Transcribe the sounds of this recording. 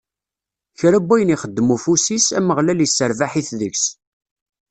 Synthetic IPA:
çɾæbːæjəniχəd̪ːəmufusisæ̰məʁlælisːəɾvaħiθðəçs

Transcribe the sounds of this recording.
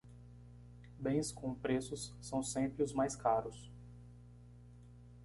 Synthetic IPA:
bẽj̃skʰõpɾesʊsːɐ̃w̃sẽmpɾɪʊzmajskaɾʊs

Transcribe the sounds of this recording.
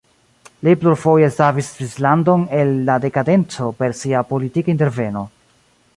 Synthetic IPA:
lipluɾfo̞je̞savissvislando̞ne̞lːade̞kade̞nt͡so̞pe̞ɾsiapo̞litikainte̞ɾve̞no̞

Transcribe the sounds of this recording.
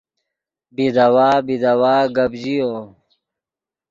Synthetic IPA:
bid̪ɐwaːbid̪ɐwaːɡɐbd͡ʑioː

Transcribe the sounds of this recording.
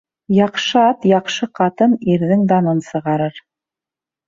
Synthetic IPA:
jɑqʃɤɑt̪jɑqʃɤqɑt̪ɤniɾðɘŋd̪ɑnɤnsɤ̆ʁɑɾɤɾ

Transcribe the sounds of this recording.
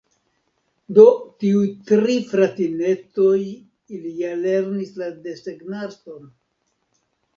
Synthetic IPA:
do̞tiujtɾifɾatine̞t͡so̞j | ilijale̞ɾnislade̞seɡnato̞n

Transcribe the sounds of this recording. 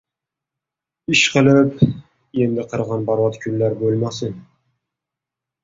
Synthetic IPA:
ɪʃqɨlˠɪp | e̞nd̪ɪqʰɨɾʁɑnbɒɾvɑt̪kʰʊnlaɾbolˠmasɪn

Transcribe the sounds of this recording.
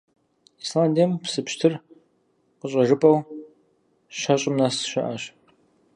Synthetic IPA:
slandempsɨpʃtʰɨr | qəɕʼɐʒɨpʼɐw | ɕɐɕʼɪmnasʃɐ̰ʔaɕ

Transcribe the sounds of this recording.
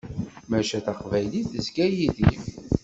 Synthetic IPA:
mæʃæθaqvæjliθəzɡæjiðḭ

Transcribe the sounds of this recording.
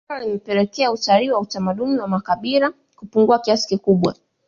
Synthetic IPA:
alimɛpɛlɛkɛautaliwautamaɗuniwamakaɓiɾa | kupuŋɡuakiasi̥kikuɓwa̰

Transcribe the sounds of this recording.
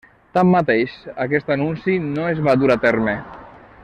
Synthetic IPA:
t̪amːat̪eʃakɛst̪anunsinoezβad̪uɾat̪ɛɾme

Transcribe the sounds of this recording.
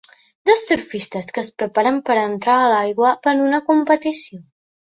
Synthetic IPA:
d̪ost̪uɾfist̪əskəːspɾəpaɾəmpəɾənt̪ɾaːlajɣwəpənunəkumpət̪isio

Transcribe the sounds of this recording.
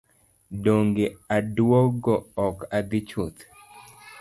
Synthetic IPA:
doŋɡeadwɔɡɔɔkad̪ɪt͡ʃut̪

